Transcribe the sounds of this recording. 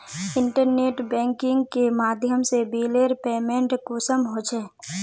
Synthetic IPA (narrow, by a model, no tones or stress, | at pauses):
ɪɳʈəɾneːʈbɛ̃ːŋkɪ̃ŋɡkemaːd̪ʱjəmsebiːleːɾpeːmẽːɳʈkusəmɦoːt͡ʃʰɛː